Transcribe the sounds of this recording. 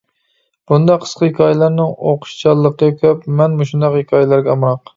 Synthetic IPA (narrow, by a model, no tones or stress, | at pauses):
b̥und̪ɑqʰːə̥sqəhekʲʰɑjɛlæɾnɪŋoqʰʊ̥ʃt͡ʃʰɑlˠːəqʰɡɛkʲʰøpmɛnmuʃund̪ɑqhekʲʰɑjlæɾɡʲɛɑmɾɑq